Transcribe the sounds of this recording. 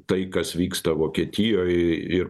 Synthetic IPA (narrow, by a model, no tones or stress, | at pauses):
t̪ɐɪkɐsʋʲiːkst̪ɐʋoːkʲiɛt̪ʲɪjoːjɪɾ